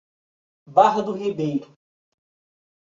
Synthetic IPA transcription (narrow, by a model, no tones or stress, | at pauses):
baɦɐd̪ʊɦibejɾʊ